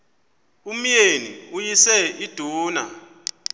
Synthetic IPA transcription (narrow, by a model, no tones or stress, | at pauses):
um̩jenḭujisɛid̥ʱuːna̰